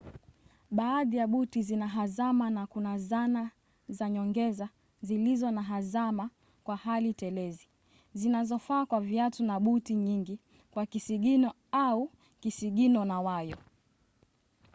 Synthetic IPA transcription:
ɓaːðijaɓutizinaɦazamanakunazana | zaɲɔŋɡɛza | zilizɔnaɦazama | kwahalitɛlɛzi | zinazɔfaːkwaviatunaɓutiɲiŋɡi | kwakisiɠinɔ | au | kisiɠinɔnawajɔ

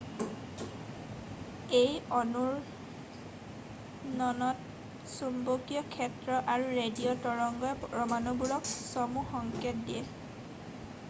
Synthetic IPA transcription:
ejɔnuɹ | nɔnɔt | sumbokijɔkʰɛtɹɔʔaɹuɹediɔtɔɹɔŋɡɔjɹɔmanubulɔksɔmuxɔŋket̚diɛl

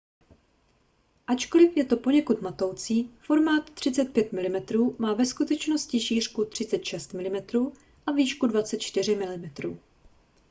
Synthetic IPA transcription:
ʔat͡ʃko̞lɪfjɛt̪o̞po̞ɲɛkut̪mat̪owt͡siːfo̞ɾmaːt̪ːr̝̥ɪt͡sɛt̪̚pjɛt̪mɪlɪmɛt̪ɾuːmaːvɛskut̪ɛt͡ʃno̞scɪʃiːr̝̥kut̪r̝̥ɪt͡sɛt̪ʃɛst̪mɪlɪmɛt̪ɾuː | ʔaviːʃkudvat͡sɛt̪̚t͡ʃt̪ɪrɪmɪlɪmɛt̪ɾṵː

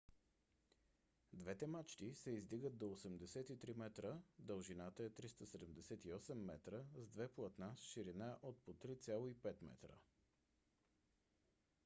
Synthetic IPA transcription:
d̪vɛt̪ɛmat͡ʃt̪isɛizd̪iɡət̪̚d̪oosɛmd̪ɛsɛt̪it̪ɾimɛt̪ɾəd̪əlˠʒinat̪əɛt̪ɾist̪əsɛd̪ɛmd̪ɛsɛt̪iɔsɛmːɛt̪ɾəzd̪vɛplˠɐt̪nasʃiɾinaʔot̪̚pot̪ɾit̪sʲalˠoipɛt̪mɛ̰t̪ɾə̰

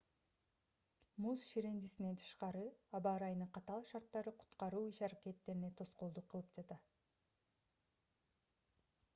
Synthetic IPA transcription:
musʃiɾe̞nd̪isine̞nt̪ʰɯ̥ʃqɑɾɯɑbɑɾɑjnɯqʰɑt̪ɑlˠʃɑɾt̪ːɑɾɯqʰu̥t̪qɑɾuːiʃɑɾake̞t̪ːe̞ɾine̞t̪ʰo̞sqo̞lˠd̪uqʰːɯlˠɯpd͡ʒɑt̪ɑ

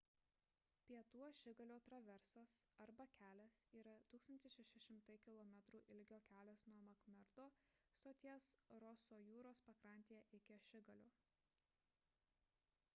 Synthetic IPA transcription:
pʲiɛt̪uɔʃʲɪɡɐlʲoːt̪ɾɐʋʲɛɾsɐsɐɾbɐkʲæːlʲɛsiːɾɐt̪uːksɐnʲt̪ʲɪsʃʲɛʃʲɛʃʲɪmt̪ɐɪkʲɪlˠɔmʲɛt̪ɾuːʔɪlʲɡʲoːkʲæːlʲɛsnuɔmɐkmʲɛɾd̪oːst̪oːt̪ʲiɛsɾɔsoːjuːɾoːspɐkɾɐˑnʲt̪ʲeːjɛʔɪkʲɪɐʃʲɪɡɐlʲoː

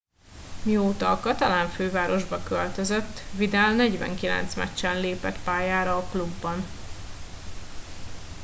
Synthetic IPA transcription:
mioːt̪ɒkɒt̪ɒlaːɱføːvaːɾo̞ʒbɒkølt̪øzøt̪ːvid̪ɛlnɛɟvɛ̰ŋkilɛ̰n̪t̪smɛ̰t͡ʃːɛnleːpɛ̰t̪paːjaːɾɒːklubːɒn

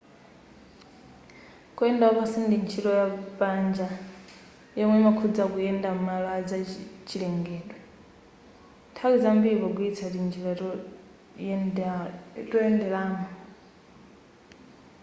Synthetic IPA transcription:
kuɛndaɔβasindint͡ʃʰilɔjapand͡ʒa | jɛmwɛmakʰud͡zakujɛndammalad͡zat͡ʃilɛŋɡɛːdwɛ | tʰakid͡zambiβɔɡuit͡sʰatind͡ʒila | tɔjɛndɛlaːmɔ

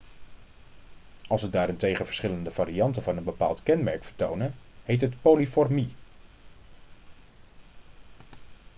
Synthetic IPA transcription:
ɑlˠsʋədaːɾɪntejχəvəɹsχɪləndəv̥aːɾiɑntəvɑnənbəpa̰ːlˠtkɛnmɛ̰ɹkfəɹto̰wnəhejtɦətpolifɔɹmi

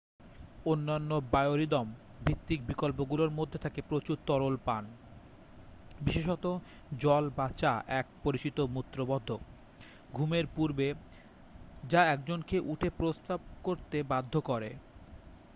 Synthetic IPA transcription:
onːanːobajoɾid̪ɔm | bʱit̪ːik̚bikolp̬oɡuloɾmod̪ʱːet̪ʰakepɾot͡ɕuɾt̪ɔɾolpan | biʃeʃ̬ɔt̪o | d͡ʑɔlbat͡ɕaʔɛk̚poɾit͡ɕit̪omut̪ːɾobɔd̪ʱːo | ɡʱumeɾpuɾbe | d͡ʑaɛkd͡ʑonkeʔuʈʰepɾost̪ab̚koɾt̪ebad̪ʱːokɔɾḛ

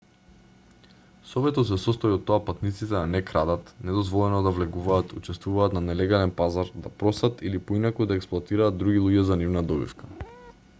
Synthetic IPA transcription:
sɔvɛt̪ɔt̪s̬ɛsɔst̪ɔiɔt̪ːɔapat̪nit̪sit̪ɛanɛkɾad̪at̪nɛd̪ɔzvɔlˠɛnɔd̪avlɛɡuvaːt̪ʰut͡ʃɛst̪vuvaːt̪nanɛlɛɡalɛnpazaɾd̪apɾɔsat̪ilipoinakud̪aɛksplˠoat̪iɾaːd̪̚d̪ːɾuɡʲilˠuɟɛzanivnad̪ɔbḭfkḁ

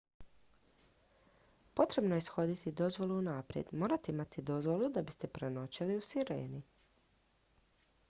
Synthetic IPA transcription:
po̞t̪ɾe̞bno̞jesxo̞d̪it̪id̪o̞zʋo̞luːnapɾjḛd̪mo̞ːɾat̪eimat̪id̪o̞zʋo̞lˠud̪abist̪e̞pɾeno̞t͡ɕiliusiɾḛːni

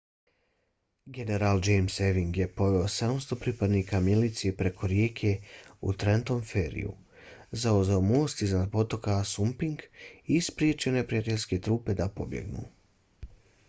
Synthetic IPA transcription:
ɡe̞ne̞ɾald͡ʒejmseʋiŋɡje̞po̞ʋe̞osed̪amst̪o̞pɾipad̪niːkamjelit̪siepɾe̞kʰo̞ɾjeːkʰe̞ṵt̪ɾent̪o̞mfeːɾḭjṵ | zauzaomo̞ːst̪iznad̪̚po̞t̪o̞kasumpiŋɡispɾjet͡ʃio̞ne̞pɾijat̪e̞ʎʲske̞t̪ɾuːpe̞d̪apo̞bjḛɡnṵː

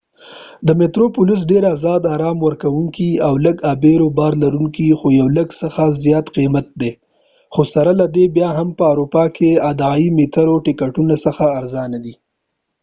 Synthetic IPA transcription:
d̪əmet̪ɾopʊlɪs̬ɖeɾazɑd̪ɑɾɑmwəɾkawuŋkiawləɡabeɾobɑɾlaɾuŋkixojawləɡsəxazjɑt̪qimat̪̚d̪e | xosaɾalad̪ebjɑɦampəawɾupɑkʰead̪ɑimit̪aɾoʈɪkaʈunasəxaːɾzɑnad̪i

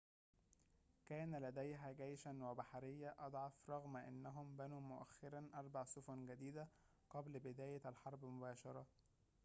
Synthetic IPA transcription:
kæːnælæd̪æjɦæɡæjʃænwæbaħaɾɪjːæʔɑd̪ˤʕɑfɾˤɑɣmʔɪ̰nːæɦʊmbænuːmʊʔæ̰xːɑɾænʔɑɾˤbɑʕsʊfʊnɡæd̪iːd̪æ | ɡ̥ɑblbɪd̪æːjæælħɑɾˤbmʊbæːʃɑɾˤɑ

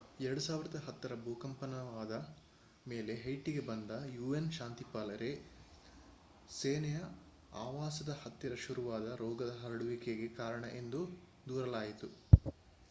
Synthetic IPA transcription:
ɛɾɐɽusaːʋiɾɐd̪ɐɦɐt̪ːɐɾɐbuːkɐmpɐnɐʋaːd̪ɐ | me̞ːle̞ɦɐjʈiɡe̞bɐnd̪ɐjuːenʃaːnt̪ipaːlɐɾe̞ | seːnɛjɐ | aːʋaːsɐd̪ɐhɐt̪ːjɐɾɐʃuɾuʋaːd̪ɐɾɔːɡɐd̪ɐɦɐɾɐɽuʋikeɡekaːɾɐɳɐʔe̞nd̪u | d̪uːɾɐlaːjit̪u

